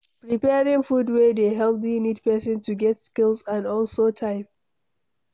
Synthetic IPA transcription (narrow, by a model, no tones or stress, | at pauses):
pɹipɛɹɪ̃ŋfudwedeɦɛlˠpðinid̚pɛsə̃ntuɡɛtskɪlˠzãnɔlsotʰaɪp̚